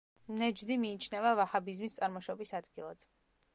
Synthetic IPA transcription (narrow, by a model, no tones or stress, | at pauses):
nɛd͡ʒd̪imiːt͡ʃʰnɛvavahabizmist̪sʼaɾmɔʃɔbisad̪ɡilˠa̰d̪̥